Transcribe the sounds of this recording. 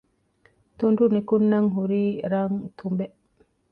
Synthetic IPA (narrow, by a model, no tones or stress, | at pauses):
t̪undunekunːaŋɦuɾiɾaŋt̪ʰumbɛʔ